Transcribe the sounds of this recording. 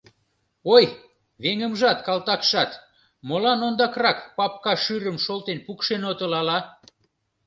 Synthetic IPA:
oj | βeŋə̆mʒɑt̪kɑlt̪ɑkʃɑt̪ | molɑnond̪ɑkrɑkpɑp̚kɑʃyɾə̆mʃolt̪enpukʃenot̪ə̆lɑlɑ

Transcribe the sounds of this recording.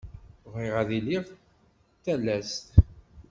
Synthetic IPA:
viʁæðiliʁ | θælːæst̪

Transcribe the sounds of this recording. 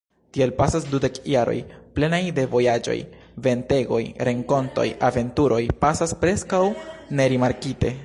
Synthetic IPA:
tielpasasdude̞kjaɾo̞̰jple̞najde̞vo̞jad͡ʒo̞̰j | ve̞nte̞ɡo̞̰jɾe̞ŋko̞nto̞̰jave̞ntuɾo̞jpasaspɾe̞skawne̞ɾimaɾkite̞̰

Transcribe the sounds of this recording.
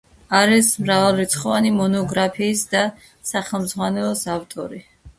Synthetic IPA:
aɾɛsmɾavalˠɾit̪sʰχɔvanimɔnɔɡɾapʰiːsd̪a | saχɛlˠmd̪zʁwanɛlˠɔsaft̪ʼɔ̰ɾi

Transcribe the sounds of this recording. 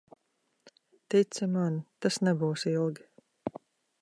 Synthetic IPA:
t̪it̪sɨmant̪asnɛbuːsilˠɡʲi

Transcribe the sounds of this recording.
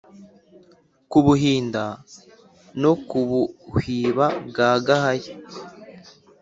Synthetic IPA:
kuβuɦiːnda | nokuβuhiːβabɡaːɡahaje

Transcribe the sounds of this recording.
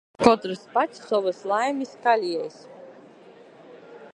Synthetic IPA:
kɔt̪ɾɨspat̪ʲsʲsɔvɨslˠajmʲiskalʲɛjs

